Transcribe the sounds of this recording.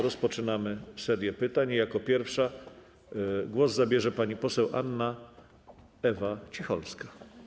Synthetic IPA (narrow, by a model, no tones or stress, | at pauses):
ɾɔspɔt͡ʂɘnamɘsɛɾʲjɛpɘt̪aɲjakɔpʲjɛɾfʂa | ɡwɔzzabʲjɛʐɛpaɲipɔsɛwʔa̰nːa | ɛvat͡ɕixɔlskḁ